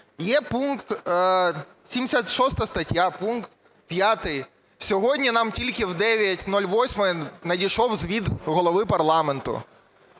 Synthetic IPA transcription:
jɛpunkt̪ | sʲimʲdʲɪsʲat̪ʃɔst̪ɐst̪ɐtʲjapunkt̪ | pʲjat̪ɪj | sʲɔɦodʲnʲinɑmtʲilʲkʲɪwd̪ɛʋʲɐtʲnɔlʲʋɔsʲmɐjɛnɐdʲiʃɔwzʋʲid̪ɣɔlˠɔʋɪpɐrlˠamɛnt̪ʊ̰

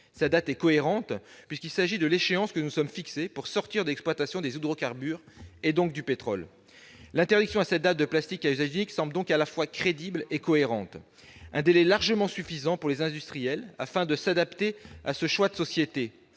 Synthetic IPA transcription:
sat̪̚d̪at̪ɛkɔeʁɑ̃t̪pɥiskʲilsaʒid̪əleʃeɑ̃skənusɔmfiksepuʁsɔʁt̪iʁd̪əɛksplwat̪asjɔ̃d̪ezud̪ʁokaʁbyːʁ | ed̪ɔ̃k̚d̪ypet̪χɔl | lɛ̃t̪ɛʁd̪iksjɔ̃asɛt̪̚d̪at̪̚d̪əplast̪ikayzaʒniksɑ̃bld̪ɔ̃kalafwakχed̪iblekɔeʁɑ̃t̪ | ɛ̃d̪elɛlaʁʒəmɑ̃syfizɑ̃puʁlezɛ̃d̪yst̪χijɛla̰fɛ̃d̪əsad̪apt̪ea̰səʃwad̪əsɔsjet̪e

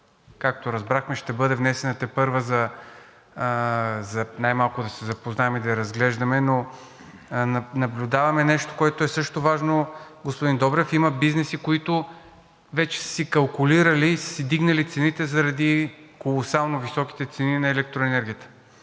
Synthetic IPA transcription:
kak̚t̪oɾɐzbɾaxmɛʃt̪ɛbɤd̪ɛvnɛsɛnɐt̪ɛpɤɾvəzɐ | zɐnajmalˠkʊd̪ɐsɛzɐpoznaɛmid̪ɐɛɾɐzɡlɛʒd̪ɐmɛno | nɐblʲud̪avɐmɛnɛʃt̪o̥koɛt̪oɛsɤʃt̪ovaʒnoɡospʊd̪ind̪ɔbɾɛfimɐbiznɛsikoit̪ʊ | vɛt͡ʃɛ̥sə̥sikɐlˠkʊliɾɐlisə̥sid̪iɡnɐlit̪sɛnit̪ɛzɐɾɐd̪ikolˠosalˠnovisɔki̥t̪ɛt̪sɛninɐɛlɛk̚t̪ɾoɛnɛɾɡʲijət̪ə̥

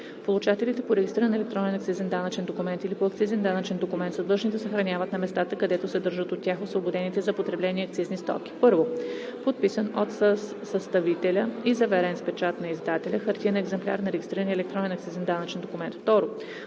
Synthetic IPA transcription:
polˠut͡ʃat̪ɛlit̪ɛpoɾɛɡʲist̪ɾiɾənɛlɛk̚t̪ɾɔnɛnɐkt̪sizɛnd̪anət͡ʃɛnd̪okumɛnt̪ilipoɐkt̪sizɛnd̪anət͡ʃɛnd̪okʊmɛnt̪sɐd̪lˠɤʒnit̪ɛsəxɾɐnʲjavət̪nɐmɛst̪at̪əkɐd̪ɛt̪osɛd̪ɤɾʒət̪ot̪ːʲjaxosvobod̪ɛnit̪ɛzɐpot̪ɾɛblɛniɛɐk̚t̪siznist̪ɔ̰kʲi̥pɤɾvopot̪̚pisənot̪ | səst̪ɐvit̪ɛlʲəizɐvɛɾɛnspɛt͡ʃat̪nɐizd̪at̪ɛlʲəxɐɾt̪ʲiənɛɡzɛmplʲa̰ɾnɐɾɛɡist̪ɾiɾəniɛlɛk̚t̪ɾɔnɛnɐkt̪sizɛnd̪anət͡ʃɛnd̪okumɛnt̪ft̪ɔɾo

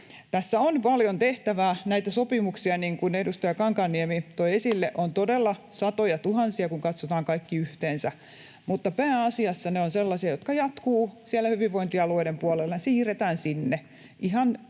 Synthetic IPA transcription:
t̪æsːæonpɑljont̪eht̪æʋæːnæit̪æsopimuksiɑniːŋkunedust̪ɑjɑkɑŋkɑnːiemit̪oiesilːeʔont̪odelːɑ | sɑt̪ojɑt̪uhɑnsiɑkuŋkɑt̪sot̪ɑːŋkɑikːiyht̪eːnsæ | mut̪ːɑpæːɑsiɑsːɑneonselːɑsiɑjot̪̚kɑjɑt̪kuːsielːæhyʋiʋʋoint̪iɑluoidempuɑlelːɑsiːret̪æːnsinːe | ʔihɑn

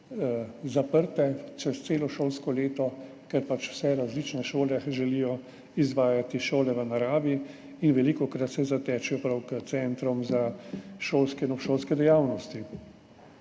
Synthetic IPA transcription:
zapəɾt̪ɛt͡ʃɛst̪seːlɔʃoːlskɔleːt̪ɔ | kɛɾpat͡ʃw̥sɛɾazlit͡ʃnɛʃoːlɛʒɛlijɔ | izʋaːjat̪iʃoːlɛʋənaɾaːʋi | inʋɛlikɔkɾat̪sɛzat̪ɛːt͡ʃɛjɔpɾawkət̪sɛnt̪ɾɔmzaʃoːlskɛnɔʃoːlskɛd̪ɛjawnɔst̪i

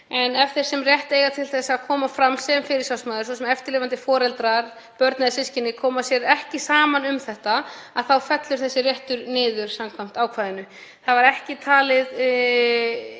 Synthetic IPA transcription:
ɛnɛft̪ɪɾ̥sɛmrjɛht̪eːjɣat̪ʰɪlθɛsːaːkʰɔːmafɾamːsɛmfɪɾɪɾsawsmaːðʏɾs̬ɔsɛmɛft̪ɪɾlɪːvant̪ɪfɔːɾɛlt̪ɾaɾ | pœɾt̪naðɪsɪscɪnɪkʰɔːmasjɛɾɛhcɪsaːmanʏmθɛht̪aaðθawfɛt̪lʏɾ̥θɛsːɪrjɛht̪ʏɾnɪːðʏɾ̥samkʰvam̥t̪aːwkʰvaːðɪnʏ | θaðvaɾɛhcɪt̪ʰaːlɪð

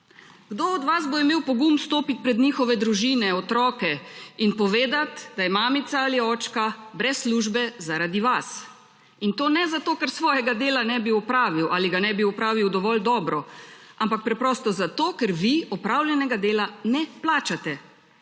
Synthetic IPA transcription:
ɡ̥d̪oɔd̪ʋazboimeːwpɔɡumst̪oːpit̪̚pɾɛd̪ɲiːxɔʋɛd̪ɾuʒiːnɛɔt̪ɾɔːkɛinpɔʋeːd̪at̪d̪ajɛmaːmit̪saaliɔːt͡ʃkabɾɛsːluːʒbɛzaɾad̪iʋas | int̪oːnɛzat̪oːkɛɾsʋɔːjɛɡad̪eːlanɛbiɔpɾaːʋiwʔaliɡanɛbiɔpɾaːʋiwd̪ɔʋɔld̪ɔːbɾɔampak̚pɾɛpɾɔːst̪ɔzat̪oːkɛɾʋiɔpɾawljɛnɛɡad̪eːlanɛplaːt͡ʃat̪ɛ

